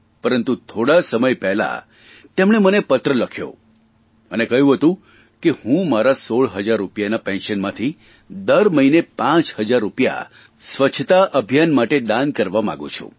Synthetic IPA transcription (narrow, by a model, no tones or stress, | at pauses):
pəɾənt̪ut̪ʰoɽasəməjpɛɦla̰ | t̪emɽemənepət̪ɾələkʰjo̰ | ənekəɦjũɦət̪ũ | kehũmaɾasoɭɦəd͡ʒaɾːupjanapɛ̃nʃənmãt̪ʰi | d̪əɾməinepãt͡ʃhəd͡ʒaɾːupja̰ | sʋət͡ʃʰt̪aʔəbʱjanmaʈed̪ãnkəɾʋamã̰ɡṵ̃t͡ʃʰṵ̃